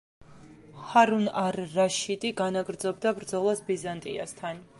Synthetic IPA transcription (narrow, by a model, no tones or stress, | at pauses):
χaɾunaɾːaʃid̪ʼiɡanaɡɾd̪zɔbd̪abɾd̪zɔlˠasbizant̪ʼḭa̰st̪ʰan